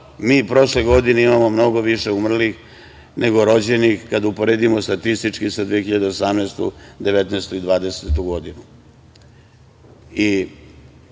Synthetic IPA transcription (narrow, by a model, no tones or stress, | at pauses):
miːpɾo̞ʃleɡo̞d̪ineimamo̞mno̞ɡo̞ʋiʃeumr̩lix | nʔeɡo̞ɾo̞d͡ʑe̞nixkad̪aupo̞ɾed̪imost̪at̪ist̪it͡ʂkisad̪ʋijexiʎad̪e̞osamneːst̪ṵd̪eʋet̪neːst̪uid̪ʋaːd̪e̞set̪uɡo̞d̪inu | i